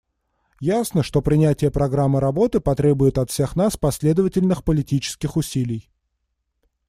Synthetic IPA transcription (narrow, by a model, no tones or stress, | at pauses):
jasnəʂt̪o̞pɾʲɪnʲætʲɪjəpɾɐɡɾamːɨɾɐbo̞t̪ɨpɐt̪ɾʲe̞bʊjʊt̪ɐt̪fsʲe̞xnaspɐsʲlʲe̞d̪əvətʲɪlʲnɨxpəlʲɪtʲit͡ɕɪ̥skʲɪxʊsʲilʲɪj